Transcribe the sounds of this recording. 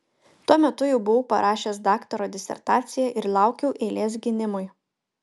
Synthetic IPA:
t̪uɔmʲɛt̪ʊjɛʊbʊʋʊpɐ̰ɾʔɑːʃʲeːsd̪ɑːkt̪ɔɾoːd̪ʲɪsʲɛ̰ɾt̪ɑːt̪sʲɪjɛʔɪɾlˠɑˑʊkʲɛʊʔeːlʲeːs̬ɡʲɪnʲɪmʊj

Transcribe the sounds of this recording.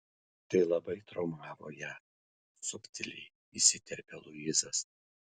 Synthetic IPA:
t̪ɐɪlˠɐbɐɪt̪ɾɔʊmɑːʋo̰ːjæː | sʊpʲt̪ʲɪlʲɪ | isʲɪt̪ʲɛɾʲpʲɛlˠʊɪzɐs

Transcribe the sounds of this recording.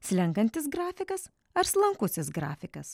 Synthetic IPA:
sʲlʲɛŋkɐnʲt̪ʲɪsɡɾɑːfʲɪkɐs | ɐɾslˠɐŋkʊsʲɪsɡɾɑ̰ːfʲɪkɐs

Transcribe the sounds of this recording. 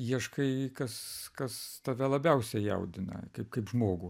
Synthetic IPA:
jiɛʃkɐɪkɐskɐst̪ɐʋʲɛlˠɐbʲɛʊsʲɛjɛ̰ʊd̪ʲɪnɐ̰kɐɪpkɐɪpʒmoːɡʊ

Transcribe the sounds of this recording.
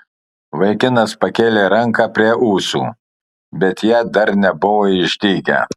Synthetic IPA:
ʋɐɪkʲɪnɐspɐkʲeːlʲeːɾɐŋkɑːpʲɾʲiɛʔuːsṵː | bʲɛt̪jæːd̪ɐɾnʲɛbʊʋoːɪʒʲd̪ʲiːɡʲæ̰

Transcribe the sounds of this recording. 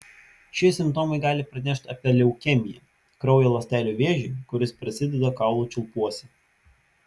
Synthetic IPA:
ʃʲɛsʲɪmpt̪ɔmɐɪɡɑːlʲɪpɾɐnʲɛʃʲt̪ʲɐpʲiɛlʲɛʊkʲɛmʲɪjɛ | kɾɐʊjɛlˠɐsʲt̪ʲæːlʲuˑʋʲeːʒʲɪɪkʊɾʲɪspʲɾʲɪsʲɪd̪ʲɛd̪ɐkɑˑʊlˠuːˑt͡ʃʲʊlˠpuɔsʲɛ

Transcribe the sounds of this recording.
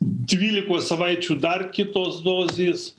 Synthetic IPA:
d̪ʲʋʲiːlʲɪkoːssɐʋɐɪt͡ʃʲuːd̪ɐrkʲɪt̪oːsd̪oːzʲeːs

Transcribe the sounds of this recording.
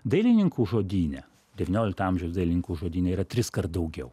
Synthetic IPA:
d̪ɐɪlʲɪnʲɪŋkuːʒoːd̪ʲiːnʲɛ | d̪ʲɛʋʲɪnʲoːlʲɪk̚t̪ɐɐmʲʒʲɛʊsd̪ɐɪlʲɪnʲɪŋkuːʒoːd̪ʲiːnʲɛiːɾɐt̪ʲɾʲɪskɐɾt̪d̪ɐʊɡʲɛʊ

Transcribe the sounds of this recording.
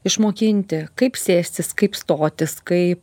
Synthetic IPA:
ɪʃmoːkʲɪnʲt̪ʲɪkɐɪpsʲeːsʲt̪ʲɪskɐɪpst̪oːt̪ʲɪskɐɪp

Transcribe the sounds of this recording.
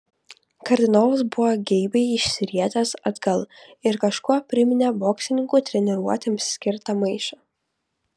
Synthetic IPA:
kɐɾʲd̪ʲɪnoːʋɐsbʊʋoɡʲɛɪbʲɛɪɪʃʲsʲɪɾʲiɛt̪ɐsɐd̪ɡɐlˠɪɾkɐʃkuɔpʲɾʲɪmʲɪnʲeboːksʲlʲɪnʲɪŋkuːt̪ʲɾʲɛnʲɛɾuɔt̪ʲemssʲkʲɪɾt̪ɐmɐɪʃɐː

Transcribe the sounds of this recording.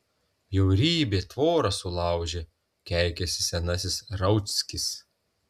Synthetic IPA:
jɛʊɾʲiːbʲeːt̪ʋoːɾɐsʊlˠɑˑʊʒʲe | kʲæˑɪkʲɛsʲɪsʲɛnɐs̬ʲɪsɾɐʊt̪sʲkʲɪs

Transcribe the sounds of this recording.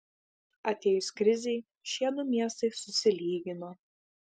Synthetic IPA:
ɐt̪ʲeːjʊskɾʲɪzʲɛɪ | ʃʲiɛnʊmʲiɛst̪ɐɪsʊsʲɪlʲiːɡʲɪnoː

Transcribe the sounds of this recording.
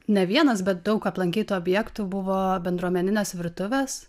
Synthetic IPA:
nʲɛʋʲiɛnɐsbʲɛt̪̚d̪ɐʊkɐplˠɐŋʲkʲiːt̪uːɔbʲjɛkt̪uːbʊʋoːbʲɛnd̪ɾuɔmʲɛnʲɪnʲeːsʋʲɪɾt̪ʊʋʲeːs

